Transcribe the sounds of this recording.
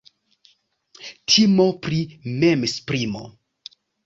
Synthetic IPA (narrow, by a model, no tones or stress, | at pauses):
tʰimopɾimemspɾimo̞̰